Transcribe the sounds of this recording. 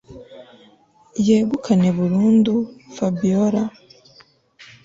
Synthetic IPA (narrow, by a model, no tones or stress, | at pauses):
jeːɡukʰane̞βuɾuːndufabioɾa